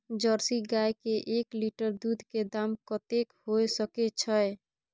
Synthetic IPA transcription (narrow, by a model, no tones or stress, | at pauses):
d͡ʒəɾsiɡajkeʔekliʈəɾd̪ud̪ʱked̪amkɔt̪ekhojsəket͡ʃʰəj